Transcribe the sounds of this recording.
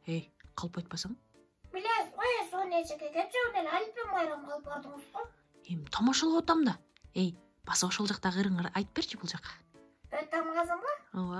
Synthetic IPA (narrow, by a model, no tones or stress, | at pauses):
ejqʰɑlˠpɑjt̪̚pɑsɑm | bilʲeizojesonet͡ʃekeket̪̚d͡ʒøknelʲɑlʲpemɑjɾɑmqʰɑlˠɯp̚bɑɾd̪ɯŋʊzd̪ʊ | emt̪ʰɑmɑʃɑlˠʁɑwot̪ɑmd̪ɑ | ej | b̥ɑsoʃolˠd͡ʒɑq̚t̪ɑʁɯɾɯɴɑɾɑjt̪əpe̞ɾt͡ʃʰibulˠd͡ʒɑqɑ̥ | øt̪ːemʁɑzəmbɑowa